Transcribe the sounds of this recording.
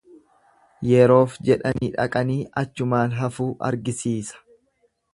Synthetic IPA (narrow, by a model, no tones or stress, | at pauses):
jɛɾo̞ːfd͡ʒɛᶑɐniːᶑɐ̰kʼɐniːɐt͡ʃːʊmaːlɦɐfuːʔɐ̰ɾɡɪsiːsɐ̥